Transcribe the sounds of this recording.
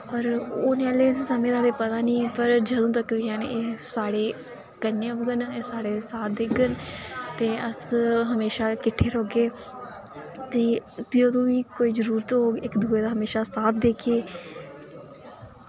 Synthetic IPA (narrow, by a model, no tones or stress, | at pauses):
ɔːɾoːneəleːssəmẽːd̪aːd̪eːpət̪aːnĩːpəɾd͡ʒəd̪õːt̪əkʋiːaːneːsaːɽeː | ɡənːeːəbɡənːsaːɽeːsaːt̪̚d̪ekɡənt̪eːəsɦəmeːʃaːkɪʈʰːeːɾoːɡeː | t̪eːt̪iːod̪õːʋiːkoːiːzəɾuːɾt̪ɦoːɡɪkd̪uːeːd̪aːɦəmeːʃaːsaːt̪̚d̪eːkʰeː